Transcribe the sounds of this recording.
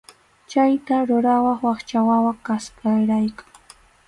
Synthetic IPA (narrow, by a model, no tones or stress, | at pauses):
t͡ʃajt̪aɾʊɾawɑχwɑχt͡ʃawawakaskaɾajkḁŋ